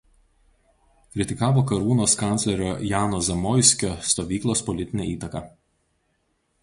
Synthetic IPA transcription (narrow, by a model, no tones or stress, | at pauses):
kɾʲɪt̪ʲɪkɑːʋoːkɐɾuːnoːskɑˑnʲlʲɛɾʲoːjɑːnoːzʲɐmɔjsʲkʲoːst̪oːʋʲiːklˠoːspɔlʲɪt̪ʲɪnʲɛ̰iːt̪ɐkɑː